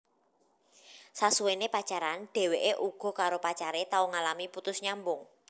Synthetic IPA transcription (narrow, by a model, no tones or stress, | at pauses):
sasuwenepḁt͡ʃaɾanɖ̥e̤weʔeʔuɡ̥ɔ̤kaɾopat͡ʃaɾet̪auŋalamiput̪ʊsɲambʊŋ